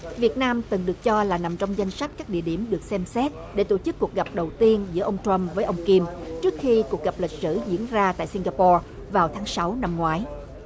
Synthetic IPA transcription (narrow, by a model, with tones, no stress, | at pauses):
vi˨˩ət̚naː˧mt̪ɨ˨˩ŋɗɨ˨˩ək̚t͡ɕɔ˧laː˨˩na˨˩mt͡ɕɔ˧wŋ͡mza˧jŋ̟sa˦˥k̟̚kaː˦˥k̚ɗḭ˧˨əɗi˧˩əmɗɨ˨˩ək̚sɛ˧msɛ˦˥t̚ɗe˧˩˦t̪o˧˩t͡ɕɨ˦˥kːu˨˩ək̚ɣa˨˩p̚ɗə˨˩wt̪i˧ənzɨ̰˧˥əʔə˧wŋ͡mt̪ɹa˧mvəː˨˦jʔə˧wŋ͡mki˧mt͡ɕɨ˦˥ək̚xi˧ku˨˩ək̚ɣa˨˩p̚lï˨˩k̟̚sɨ̰˧˩zḭ˧˥ənzaː˧t̪a̰ː˧˨jsi˧ŋ̟ɣaː˧pɔ˧ | vaː˨˩wt̪ʰaː˨˦ŋsa˨˦wna˧mŋwaː˨˦j